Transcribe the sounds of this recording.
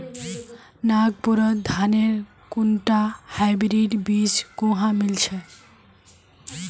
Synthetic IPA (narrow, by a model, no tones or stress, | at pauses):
naɡ̚puɾəd̪ʱaneɾ | kunʈahajbɾiʈbiskuɦãmilt͡ʃʰe